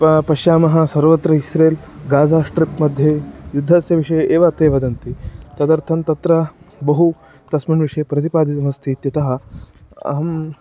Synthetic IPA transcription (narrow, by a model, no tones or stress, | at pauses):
pɐʃjaːmɐɦɐsɐɾʋɐt̪ɾɐɦisɾeːlɡaːd͡zaːsʈɾipmɐd̪ʱjejud̪ʱːaːsjɐʋiʂɐjʔeːʋat̪eːʋɐd̪ɐnt̪it̪ɐd̪ɐɾt̪ʰɐnt̪ɐt̪ɾɐbɐɦu | t̪ɐsmiɳʋiʂɐjpɾɐt̪ipaːd̪ʱit̪ɐmɐst̪ʰit̪jɐt̪ɐɦɐ̆ɐ̰ɦɐm